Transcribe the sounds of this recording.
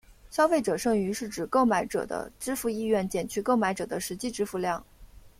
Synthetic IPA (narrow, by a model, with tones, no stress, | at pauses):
ɕjɑ˥ʊfe˥˩ɪʈ͡ʂɤ˨˩ʂɤ˥˩ŋy˧˥ʂɻ̩˥˩ʈ͡ʂɻ̩˨˩ko˥˩ʊma˧˥ɪʈ͡ʂɤ̰˨˩d̪ə̰˦ʈ͡ʂɻ̩˥fu˥˧i˥˧ɥɛ˥˩nt͡ɕjɛ˨˩nt͡ɕʰy˥˧ko˥˩ʊma˧˥ɪʈ͡ʂɤ˨˩d̪ə˦ʂɻ̩˧˥t͡ɕi˥˧ʈ͡ʂɻ̩˥fu˧˥˧ljɑ˥˩ŋ